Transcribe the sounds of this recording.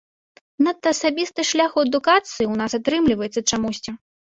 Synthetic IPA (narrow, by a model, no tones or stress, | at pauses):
nɐt̪ːɐːsabʲist̪ɨʂlʲaxuɛd̪ukat̪sɨjiwnasat̪ɾɨmlʲivɐjɛt̪sɐt͡ʂamusʲt͡sʲi